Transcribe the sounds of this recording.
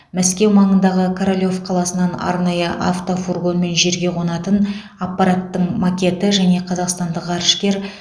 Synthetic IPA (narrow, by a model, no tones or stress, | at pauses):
mæskʲe̞wmɑɴənd̪ɑʁəkʰoɾolʲo̞fqʰɑlˠɑsənɑnɑ̰ɾnɑjəʔa̰ft̪o̞forɡo̞nme̞nʒe̞ɾɡʲe̞qʰo̞nɑt̪ən | apːɑɾat̪ːəɴmakʲe̞t̪ɪʒæne̞qʰɑzɑqst̪ɑnd̪əqɑɾʃkʲe̞ɾ